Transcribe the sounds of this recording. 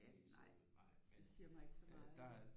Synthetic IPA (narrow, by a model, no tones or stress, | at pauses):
ænɑɪ̰̥esiɐ̰mɑ̈e̝ɡ̥sɒmɑ̈ð̩̥ˠ